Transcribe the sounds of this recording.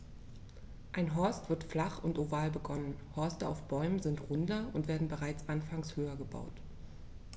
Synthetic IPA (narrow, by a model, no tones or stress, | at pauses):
ʔaɪnɦɔɐstv̥ɪɐtflaχʊntʔovaːlbəɡɔnənhɔɐstəaʊfb̥ɔʏmənzɪntʁʊndlɐʊntv̥eːɐdn̩bəʁaɪt͡sʔanfaŋshøːɐɡəba̰ʊt